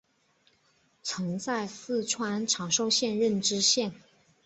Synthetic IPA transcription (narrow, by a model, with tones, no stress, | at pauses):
t͡sʰɤ˧˥ŋt͡sa˥˧ɪsɹ̩˥˩ʈ͡ʂʰwa˥nʈ͡ʂʰɑ˨˩ŋʂo˥˧ʊɕjɛ˥˧nɻə˥˩nʈ͡ʂɻ̩˥ɕjɛ˥˩n